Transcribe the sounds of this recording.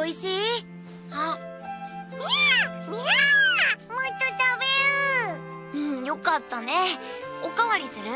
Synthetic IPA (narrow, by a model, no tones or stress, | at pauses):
oiɕiː | a | moit̪ːot̪abeɾɯ | ɯ̟̃ɴjo̞kat̪ːane̞okaβaɾʲisɨɾɯ̟